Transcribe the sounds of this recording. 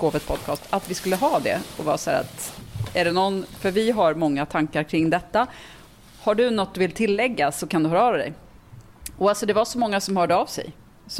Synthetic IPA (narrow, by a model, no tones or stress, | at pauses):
ɡ̥oːvət̪pʰɔd̪̚kʰɑːst̪ʰat̪vɪskɵlːəɦɑːd̪ɛ̰ɔvɑ̰ːsæ̰ːɾa̰t̪æɖɛnɔnːfœɾvɪɦaɾmɔŋːat̪ʰaŋkaɾkʰɾɪŋd̪ɛt̪ːa | haɖɵnɔt̪̚ːd̪ɵvɪlt̪ʰɪlːɛɡːasɔkʰand̪ɵhœːɾɑɾd̪ɛ̰j | ɔalsɔd̪ɛvaʂɔmɔŋːasɔmhœːɖəavsɛ̰j | s